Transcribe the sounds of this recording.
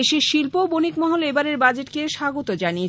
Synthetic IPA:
eʃeʃilpobonikmɔɦolebaɾeɾbad͡ʑeʈkeʃaɡot̪od͡ʑanie

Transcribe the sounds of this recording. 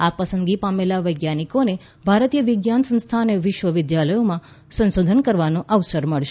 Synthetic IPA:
apəsə̃nd̪ɡipamelaʋəjɡjanikone | bʱaɾət̪ijəʋɪɡjansə̃nst̪ʰaneʋɪʃʋəʋɪd̪jaləjomã | sə̃nsod̪ʱənkəɾʋanõʔəʋsəɾməɭʃe

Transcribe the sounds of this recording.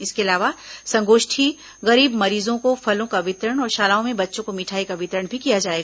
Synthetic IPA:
ɪskeɐlaːʋasɐ̃ŋɡoːʃʈʰi | ɣɐɾiːbmɐɾiːzõkofʰɐlõkaʋɪt̪ɾəɽ̃ɔːɾʃaːlaːõmẽbɐtːʃõkomɪʈʰaːikaʋɪt̪ɾəɳbʱikijad͡ʒaːeːɡaː

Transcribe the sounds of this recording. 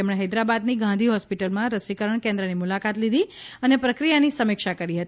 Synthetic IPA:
emɽeɦəjd̪ɾabad̪niɡãnd̪ʱiɦɔspiʈəlmãɾəsikəɾəɳkẽnd̪ɾənimulakat̪lid̪ʱiənepɾəkɾijanisəmikʃakəɾiɦət̪i

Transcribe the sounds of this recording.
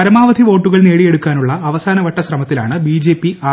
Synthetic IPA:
ɐɾɐmaːʋɐd̪ʱiʋo̞ːʈːuɣɐɭneːɽije̞ɽukːaːnuɭːɐːʋɐsaːnɐʋɐʈːɐsrɐmɐt̪ːila̰ːɳɨbiːd͡ʑe̞ːpːiaː

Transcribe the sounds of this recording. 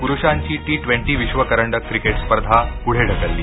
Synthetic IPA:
puɾuɕaɲt͡ɕiːʈiːʈʋẽɳʈiʋiɕʋəkəɾəɳɖəkːɾikeʈspəɾd̪ʱapuɽ̤ʱeɖ̤ʱəkəlːiː

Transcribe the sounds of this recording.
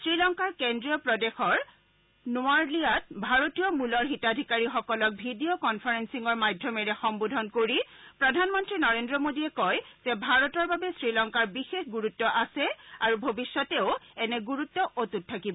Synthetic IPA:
sɹilɔŋkaɹkendɹijɔpɹɔdexɔɹ | nʊaɹliat̚bʱaɹotijɔmulɔɹɦitadʱikaɹixɔkɔlɔk̚bʱidiokɔnpʰaɹensiŋɔɹmajdʱjɔmɛɹɛxɔmbodʱɔnkoɹipɹɔdʱanmɔntɹinɔɹendɹɔmodiɛkɔjz̥ɛbʱaɹɔtɔɹbabɛsɹilɔŋkaɹbixexɡuɹutːɔʔasɛaɹubʱobisːɔtɛʊɛnɛɡuɹutːɔʔotut̚tʰːakibɔ

